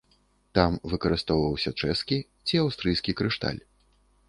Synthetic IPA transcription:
t̪amvɨkɐɾɨst̪ɔwvɐwsʲɐt͡ʂɛskʲi | t͡sʲiawst̪ɾɨjskʲikɾɨʂt̪a̰lʲ

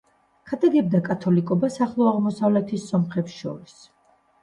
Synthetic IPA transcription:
kʰad̪ʼaɡɛb̚d̪akʼat̪ʰɔlikʼɔbasaχlˠɔaʁmɔsavlɛt̪ʰisːɔmχɛpsʃɔ̰ɾis

